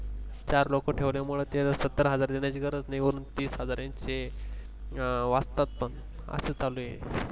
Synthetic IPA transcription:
t͡ɕaɾlokoʈʰeʋljamuɭət̪eɦəd͡zaɾsət̪ːəɾɦəd͡zaɾd̪injat͡ɕiɡəɾəd͡znajʋəɾuːnt̪iːsɦəd͡zaɾjãɲt͡ɕe | ʋast̪at̪̚pəɳ | ə̰set͡salujḛ

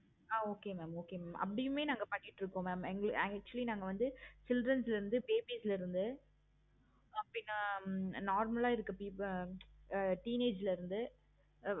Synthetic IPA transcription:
aːoːkeːmɛːmoːkeːmɛːmʔɐ̰pːɐɽɪjɯmeːnaːŋɡɐpɐɳːɪʈːɾɯkːõːmɛːmɛŋɡɐɭk̚t͡ʃʊɐlinaːŋɡɐʋɐnd̪ɯt͡ʃɪlɖrɐnslɪɾɯnd̪ɯpeːbiːslɐɪɾɯnd̪ɯ | ɐpːɽɪnːanaːɾmɐlaːɪɾɯkːɐpiːp | ʈiːneːd͡ʒlɐɪɾɯnd̪ɯ

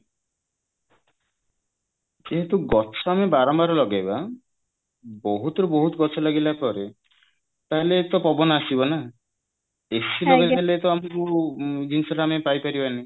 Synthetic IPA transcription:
d͡ʒeɦet̪uɡɔt͡ʃʰɔamebaɾɔmbaɾɔlɔɡajba | bɔɦut̪ɔɾubɔɦut̪ɔɡɔt͡ʃʰɔlaɡilakɔɾe | t̪aɦelet̪ɔpɔbɔnasibɔna | esilɔɡed͡ʒalet̪ɔamɔkud͡ʒinsɔɾamepajpaɾibani

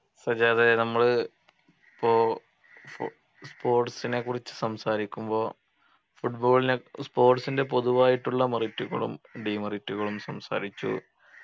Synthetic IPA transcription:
sɐd͡ʑeɐðenɐmːɐɭɨ | pːoː | f | spo̞ːrʈsinekːurit͡ɕːɨ̥sɐmsaːɾikʲːumbo̞ː | fuʈboːɭinespo̞ːrʈsinde̞p̬o̞ðuʋaːjiʈːuɭːɐmɐritːuɣɐ̰ɭṵmɖiːmɐritːuɣɐɭumsɐmsa̰ːɾit͡ɕːṵ

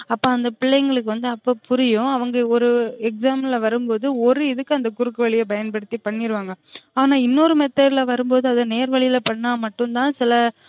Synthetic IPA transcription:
ɐpːoːɐnd̪ɐpɪɭːɐŋɡɐɭɯkːɯʋɐnd̪ɯɐpːoːpʊɾɪjʊ̃ɐʋɐŋɡɐɔɾɯɛk̚saːmnlɐʋɐɾɯmpoːðɯɔɾɯɪðɯkːɯɐnd̪ɐkʊɾɯkːɯʋɐɭɪjɐbɐjɐnpɐɽɯt̪ːipɐɳːɪɾɯʋaːŋɡɐaːnaːɪnːoɾɯmɛt̪ːɐɾɪlɐʋɐɾɯmpoːðɯɐðɐneːɾʋɐɭɪjɪlɐpɐɳːaːmɐʈːɯnt̪ãːsɪlɐ

